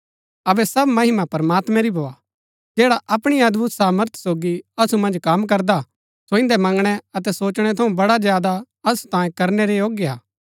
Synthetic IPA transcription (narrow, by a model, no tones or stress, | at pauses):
ɐbɛsɐbmɐɦɪmapɐɾmaːt̪mɛ̃ɾibʱoːa | d͡ʒɛːɽaʔɐpɽ̃iɐd̪bʱut̪saːməɾt̪ʰsoːɡiɐsumɐ̃nd͡ʒkɐmkɐɾd̪a | soɪ̃nd̪ɛmɐ̃ŋɡɽ̃ɛɐt̪̬ɛsoːt͡ʃɽ̃ɛt̪ʰɐũbɐɽazjaːd̪a | ɐsu̥t̪ãːjẽkɐɾnɛɾejoːɡjea̰ː